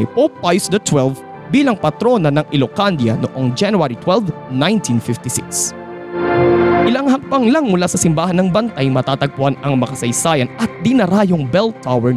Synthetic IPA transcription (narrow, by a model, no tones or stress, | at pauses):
popːajsd̪ɐt̪wɛlv | biːlɐŋpɐt̪ɾo̞nɐnɐŋʔɪlokand̪jɐ̰noʔoŋd͡ʒanuaɾit̪wɛlvnajnt̪ʰinfɪft̪ɪsɪ̰ks | ʔɪlaŋhɐk̚pɐŋlaŋmʊlaːsɐsɪmbaːhɐnːɐŋbɐnt̪ajmɐt̪aːt̪ɐɡ̚pʊhanɐŋmɐkɐsɐjsaːjɐnʔɐt̪̚d̪inɐɾaːjoŋbɛlt̪ːawɛ